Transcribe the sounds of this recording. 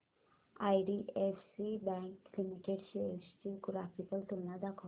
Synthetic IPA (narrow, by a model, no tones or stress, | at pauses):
ajɖiʔefsibɛ̃ŋkːlimikeʈɕiest͡ɕiɡɾapiʈəlt̪umlad̪akʰə